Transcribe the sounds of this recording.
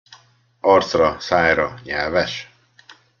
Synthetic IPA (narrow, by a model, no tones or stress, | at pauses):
ɒrt̪srɒsaːjɾɒɲɛlvɛʃ